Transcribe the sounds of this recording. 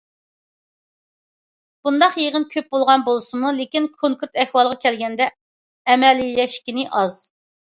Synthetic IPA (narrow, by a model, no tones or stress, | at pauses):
b̥und̪ɑqjeʁənkʲʰøp̚bolˠʁɑnbolˠɨsɨmulekʲinkʰoŋkʰuɾt̪ɛhwɑlˠʁɑkʲʰɛlɡʲɛnd̪ɛː | mɛlilɛʃkʲinɪʔɑz̥